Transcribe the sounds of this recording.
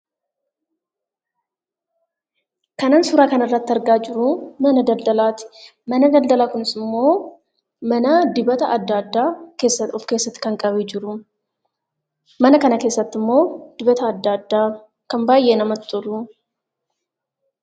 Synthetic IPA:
kɐnaːnsʊɾaːkɐnɐrːɐt̪ːɪɐɾɡaːd͡ʒɪɾʊmɐnɐd̪ɐld̪ɐlaːt̪ɪ̥ | mɐnɐd̪ɐld̪ɐlaːkʊnɪsɪmːo̞ː | mɐnɐd̪ɪbɐt̪ɐɐd̪ːaːd̪ːaːke̞ːsːɐʊfke̞ːsːɐt̪ːɪ̥kɐŋkʼɐbiːd͡ʒɪɾʊ | mɐnɐkɐnɐke̞ːsːɐt̪ːɪmːo̞ːd̪̥ɪbɐt̪ɐːd̪ːaːd̪ːaː | kɐmbaːjːe̞ːnɐmɐt̪t̪ʼʊɾʊ

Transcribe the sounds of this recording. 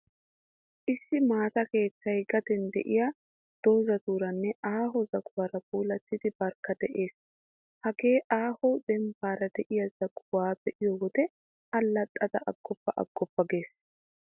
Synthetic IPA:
ʔɪsːɪmaːt̪ɐke̞ːt͡sːɐjɡɐd̪ɛnd̪ɛ̰ʔɪja | d̪̥o̞ːzɐd̪uːɾɐnːɛaːɦɔzɐɡwɐɾɐbuːlɐt̪ːɪd̪ɪbɐɾkːɐd̪ɛʔe̞ːs | hɐɡe̞ːʔaːhɔd̪ɛmbaːɾɐd̪ɛʔɪjɐzɐɡʊwaːbɛʔɪjɔwɔd̪ɛ | ɐlːɐt̪ʼːɐd̪ɐʔɐɡ̥ːɔpːɐʔɐ̰ɡ̥ːɔpːɐɡe̞ːs

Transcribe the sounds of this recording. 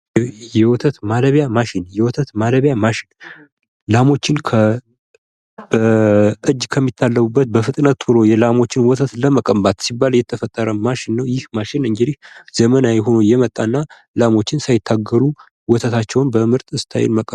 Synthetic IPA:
jɛwɔt̪ʰət̪maləβjamaʃɪnjɛwɔt̪ʰət̪maləβjamaʃɪn | lamo̞t͡ʃːɪnkʰə | b̥əʔɨd͡ʒːkʰəmːit̪ʰːalːəβubːət̪̚bəfɨt̪ʼnət̪ʰːuɾo̞jɛlamo̞t͡ʃːɪnwɔt̪ʰət̪ləməkʼəmbat̪sibːaljɛt̪ʰːəfət̪ʼːəɾəmaʃɪnːəwjɪhmaʃɪnɨŋɡɨd̪ihzəmənajɛɦo̞nojɛmət̪ʼːanːa | lamo̞t͡ʃːɪnsajɪt̪ʰːaɡːəɾu | wɔt̪ʰət̪ʰat͡ʃːɛwnbəmɨɾt̪ʼɨst̪ʰa̰jɛ̰nməkʼə

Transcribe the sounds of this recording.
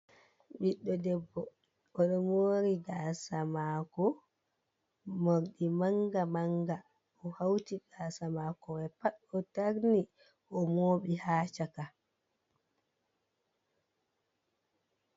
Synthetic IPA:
ɓiɗːɔdɛbːɔ | ʔɔɗɔmoːɾiɡasamaːkɔ | moɾɗimaŋɡamaŋɡa | ɔhawtiɡaːsamaːkɔɛpaɗɔtaɾni | ʔɔmoːɓihaːt͡ʃaka

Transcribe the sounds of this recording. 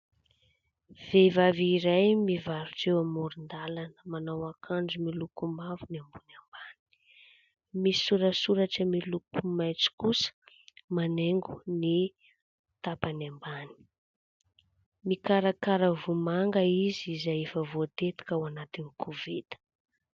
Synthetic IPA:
v̥evaviɾajmivaɾuʈ͡ʂewamuɾind̪alanəmanawakʰand͡zumilukumavuniambunambani̥ | misuɾəsuɾaʈ͡ʂəmilukumajt͡si̥kusə̥ | maneŋɡuni | t̪apanambani̥ | mikaɾakaɾəvumaŋɡəizizajefəvot̪et̪i̥kawanat̪inikʰuvit̪ə̥

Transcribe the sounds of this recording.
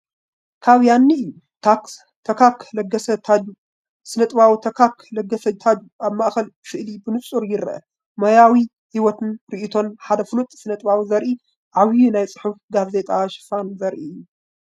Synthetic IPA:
kʰaβjanːiʔɨjːu | t̪ʰak | t̪ʰɐkʰaklɐɡɐsɐt̪ʰad͡ʒu | sɨnɐt̪ʼβawit̪ʰɐkaklɐɡːɐsɐt̪ʰad͡ʒuaβmaʔxɐlbɨfɨʔlibɨnɨsʼuɾjɪɾɐʔɐ̰ | mɐjawi | hiwɔt̪ʰɨnɾiʔit̪ʰo̞nħad̪ɐfɨlut̪ʼsɨnɐt̪ʼβawizɐɾʔi | ʔaβjunajt͡sʼɨ̥ħufɡaze̞t̪ʼaʃɪ̥fanzɐɾʔiɨjːu

